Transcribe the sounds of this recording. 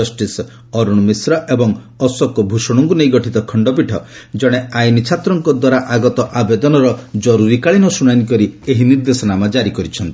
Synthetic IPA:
ɔsʈis | ɔɾuɽ̃misɾɔʔebɔŋ | ɔsɔkɔbʱusɔɽ̃ɔŋkunejɡɔʈʰit̪ɔkʰɔɳɖɔp̬iʈʰɔd͡ʒɔɽ̃eajnit͡ʃʰat̪ɾɔŋkɔd̪waɾaʔaɡɔt̪ɔʔabed̪ɔnɔɾɔd͡ʒɔɾuɾikaɭinɔsuɽanikɔɾieɦiniɾd̪esɔnamad͡ʒaɾikɔɾit͡ʃʰɔnt̪i̥

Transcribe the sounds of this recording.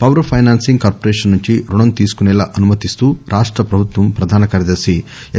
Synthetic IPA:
pɐʋɾpʰɐjnaːnsiŋɡkaːɾpoɾeːʂɐnːuɲt͡ʃiɾuɳɐnt̪iːsu̥kunɛlaːʔɐnumɐt̪ist̪uːɾʔaːʂʈɾɐpɾɐbʱut̪ʋɐmpɾɐd̪ʱaːnɐkɐːɾjɐd̪ɐɾsi

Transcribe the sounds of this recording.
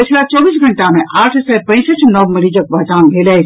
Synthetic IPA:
ət͡ʃʰlat͡ʃɔbiːsɡʱəɳʈamẽʔaːʈʰsɛpə̃ɪ̃sət͡ʃʰnəʋməɾid͡ʒək̚bəd͡ʒaːnbʱelə

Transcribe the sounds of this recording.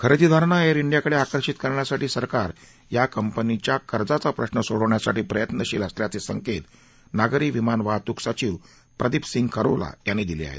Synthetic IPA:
kʰəɾəd͡ʑid̪ʱaɾɳaeɾiɳɖijakəɽeakəɾɕit̪kəɾɳjasaʈiːsəɾkaɾ | jakəmpənit͡ɕjakəɾd͡zat͡sapɾəɕnəsoɽəʋɳjasaʈiːpɾəjət̪nəɕiːləsljat͡sesəŋket̪ | naɡɾiːʋimanʋat̪uksat͡ɕiːʋ | pɾəd̪ipsiŋɡkʰəɾo̰ʋla̰janːid̪ilḭa̰ɦḛt̪

